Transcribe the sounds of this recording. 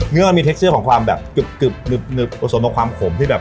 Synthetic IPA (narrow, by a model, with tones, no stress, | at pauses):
ŋɯ˥ɐma˧nmiː˧t̪e˦˥ksɯː˥˩kɔː˩˦ŋkʰwaː˧mbɛː˨˩pkɯ˨˩p̚kɯ˨˩p̚nɯ˨˩p̚nɯ˨˩p̚ko˧˩so˩˦nt̪ːŋkʰwaː˧mkʰo˩˦mt̪ʰiː˥˩bɛː˨˩p